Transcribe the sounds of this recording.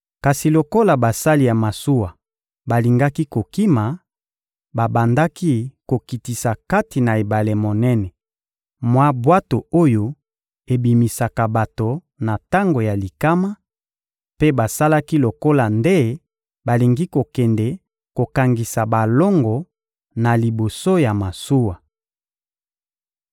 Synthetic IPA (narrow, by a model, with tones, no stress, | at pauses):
ka˨si˨lo˨ko˦la˨ba˨sa˦li˨ja˨ma˨su˦wa˨ | ba˨li˨ŋɡa˦ki˦ko˨ki˦ma˨ | ba˨ba˨nda˦ki˦ko˨ki˨ti˨sa˨ka˦ti˨na˨e˨ba˨le˨mo˨nɛ˦nɛ˨ | mwa˦bwa˦to˨o˦jo˨ | e˨bi˨mi˨sa˨ka˨ba˨to˨ | na˨ta˦ŋɡo˨ja˨li˨ka˦ma˦ | pe˦ba˨sa˦la˦ki˦lo˨ko˦la˨nde˦ | ba˨li˨ŋɡi˦ko˨kɛ˨ndɛ˨ | ko˨ka˨ŋɡi˨sa˨ba˨lɔ˦ŋɡɔ˨ | na˨li˨bo˨so˦ja˨ma˨su˦wa˨